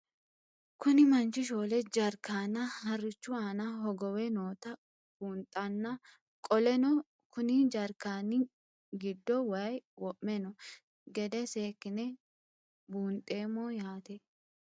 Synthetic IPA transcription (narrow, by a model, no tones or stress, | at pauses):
kʊnɪmɐnt͡ʃɪʃ̬oːlɛd͡ʒɐɾkːaːnɐhɐrːɪt͡ʃːʊaːnɐɦɔɡɔwɛnoːt̪ɐ | b̥uːnt̪ʼːɐnːɐ | kʼɔlɛnɔ | kʊnɪd͡ʒɐɾkaːnɪ | ɡɪd̪ːɔwɐjwɔʔmɛnɔ | ɡɛd̪ɛseːkːɪnɛ | buːnt̪ʼːe̞ːmːɔjaːt̪ɛ